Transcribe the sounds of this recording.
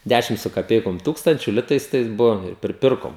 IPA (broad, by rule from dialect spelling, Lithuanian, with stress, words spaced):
ˈdʲæʃʲɪm sʊ kɐˈpʲɛɪkoːm ˈtuːkstɐnʲt͡ʃʲʊ ˈlʲɪtɐɪs ˈtɐɪs ˈbʊʋoːm ɪr pʲrʲɪˈpʲɪrkoːm